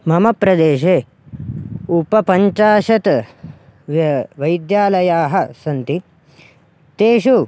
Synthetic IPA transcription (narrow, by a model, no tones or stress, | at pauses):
mɐmɐpɾɐd̪eːʃeː | upɐpɐɲt͡ʃaːʃɐt̪ | ʋʋɐjd̪jaːlɐjaːɦɐsɐnt̪i | t̪eːʃu